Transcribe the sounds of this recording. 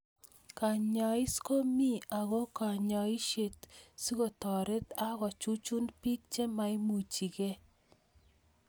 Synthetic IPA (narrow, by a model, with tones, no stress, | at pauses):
ka˨ɲa˨i˦sko˦mi˦a˨ɣo˦ka˨ɲɔ˨i˦ʃe˨tsi˦ɣo˨tɔ˨ɾe˦t̪a˦ɣɔ˨t͡ʃu˦t͡ʃu˦npi˦k̚t͡ʃe˦ma˨i˦mu˨t͡ʃi˨ke˦